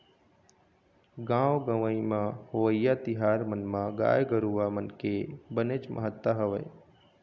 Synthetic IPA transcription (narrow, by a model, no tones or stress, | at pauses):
ɡãːwɡəʋəĩmãhoʋəjat̪ɪɦaːɾmənmãɡa̰ːjɡəɾuʋamənkebənet͡ʃmʔə̰ɦət̪ːəɦɐʋəj